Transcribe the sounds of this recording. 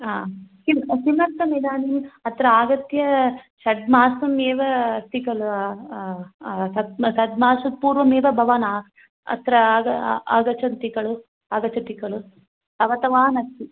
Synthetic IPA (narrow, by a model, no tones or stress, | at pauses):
aːkimkimɐt̪ːɐmid̪aːnimɐt̪ɾɐaːɡɐt̪jɐʃɐd̪̚maːsɐmeːʋɐst̪ikɐɭu | sɐd̪sɐd̪̚maːsɐpuːɾʋɐmeːʋɐbʱɐʋanaː | ɐ̰t̪ɾɐːɡɐaːɡɐt͡ʃɐnt̪ikɐɭu | aːɡɐt͡ʃɐt̪ikɐɭu | ɐʋɐt̪ɐʋaːnɐt̪ːi